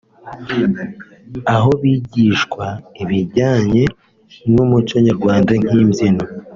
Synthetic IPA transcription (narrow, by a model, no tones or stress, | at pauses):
aɦo̞βiɟiːʃkwaiβiɟaːɲe̞ | nomuco̞ɲaɾɡwaːndaŋ̥iːmzino